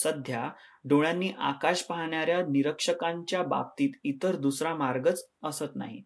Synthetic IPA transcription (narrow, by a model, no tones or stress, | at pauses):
səd̪ʱjaɖoɭjanːiːʔa̰kaɕpaɦɳjaɾjaniɾəkʂəkaɲt͡ɕjaba̰p̚t̪iːt̪it̪əɾd̪usɾamaɾɡət͡səsət̪na̰ɦḭ